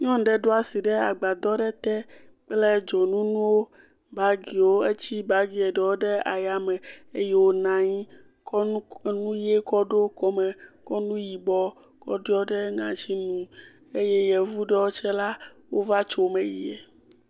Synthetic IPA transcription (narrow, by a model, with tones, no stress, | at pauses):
ɲɔ̃˦ɖɛ˨ɖo˦a˨si˨ɖɛ˦a˨ɡ͡ba˨d̪ɔ˦ɖɛ˦t̪ɛ˦ | k͡plɛ˦d͡ʒɔ˨nũ˦nũ˦wo˦ | ba˦ɡi˨wo˦e˦t͡ɕi˦ba˦ɡi˨ɛ˨ɖɛ˨wo˦ɖɛ˦a˨ja˨mɛ˨e˦jɛ˦wo˦nã˨ɲĩ˦ | knũ˦je˦kɔ˦ɖo˦kɔ˦mɛ˨kɔ˦nũ˦ji˨bɔ˦ | kɔ̰˦ɖi˦ɔ˦ɖɛ˦ŋã̰˨t͡ʃi˦nũ˨ | e˦jɛ˦jɛ˨vu˦ɖɛ˦wo˦t͡ʃɛ˦la˦wo˦va˦t͡ʃo˨mɛ̃˨ji˨ɛ˨